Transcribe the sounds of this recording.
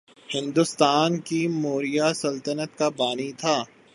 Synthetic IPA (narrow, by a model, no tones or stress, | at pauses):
hɪ̃nd̪ʊst̪aːnkimoːɾijasɐlt̪ənət̪kabaːnit̪ʰaː